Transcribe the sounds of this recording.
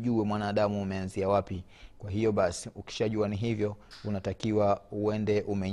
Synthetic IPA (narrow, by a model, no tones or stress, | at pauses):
ʄuɛmwanaːɗamuːmɛanziawapi | kwaɦijɔɓasi̥uki̥ʃaʄuaniɦivjɔunatakiwauɛndɛʔumɛ